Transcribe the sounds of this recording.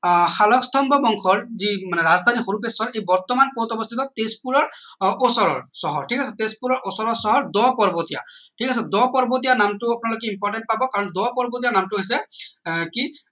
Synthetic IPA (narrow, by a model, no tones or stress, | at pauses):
xalɔkst̪ʰɔmbʱɔbɔŋkʰɔɹzimanɛɹazd̪ʱanixoɾupesɔɹejbɔɹt̪ɔmanpot̪ɔbɔst̪ʰit̪ɔt̪espuɹɔɹosɔɹɔ̰ɹsɔɦɔɹʈʰikʰasɛt̪espuɹɔɹosɔɹɔɹsɔɦɔɹd̪ɔpɔɹbot̪ija̰ʈʰikʰasɛd̪ɔpɔɹbot̪̬ijanamtʊapʊnalokɛimpɔɹʈɛnt̚pabɔkaɹɔnd̪ɔpɔɹbot̪ijanamtʊɦojs̬ɛ | ki